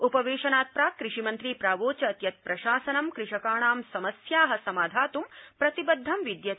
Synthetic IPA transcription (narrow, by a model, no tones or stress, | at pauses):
upɐʋeːʃɐnaːt̪̚pɾaːkɾɪʂimɐnt̪ɾiːpɾaːʋoːt͡ʃɐːt̪jɐt̪̚pɾɐʃaːsɐnɐmkɾɪʂɐkaːɳaːmsɐmɐsjaːɦɐsɐmaːd̪ʱaːt̪umpɾɐt̪ibɐd̪ʱːɐmʋid̪jɐ